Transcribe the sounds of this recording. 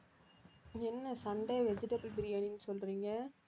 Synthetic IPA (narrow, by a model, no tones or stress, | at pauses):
ɪŋɛnːɐsɐɳɖɐʋɛd͡ʒɪʈɐbɯlpɪɾɪjaːninːɯsɔlɾiːŋɡɐ